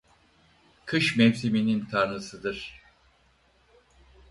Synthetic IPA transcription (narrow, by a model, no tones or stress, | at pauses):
kʰɯʃmɛmsiminint̪ʰaɾnɯsɯd̪ɯɾ̥